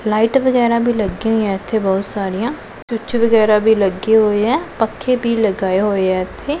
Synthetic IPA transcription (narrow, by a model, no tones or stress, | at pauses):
laːiːʈʋəɡɛːɾãːbʱiːləɡːeɦoːiãːɪt̪ʰːeːbɔːt̪saːɾijãː | t͡ʃʊt͡ʃʋəɡɛːɾaːbʱiːləɡeːɦoːeɛːpəkʰːeːbʱiːləɡaːeɦoːeɛːɪt̪ʰːeː